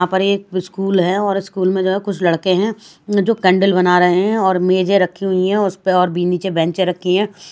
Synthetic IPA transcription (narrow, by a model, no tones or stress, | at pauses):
ãpɐɾeːk̚ɪskuːlɦɛɔːɾɪskuːlmẽd͡ʒoːɦɛkʊt͡ʃʰlɐɽkeɦɛ̃ | d͡ʒoːkɛ̃ːɳɖəlbɐnaɾɐɦeɦɛ̃ɔːɾmeːd͡ʒeɾɐkʰːiɦʊiɦɛ̃ʊspeɔːɾbiːnit͡ʃebɛ̃ːɲt͡ʃeɾɐkʰːeɦɛ̃ː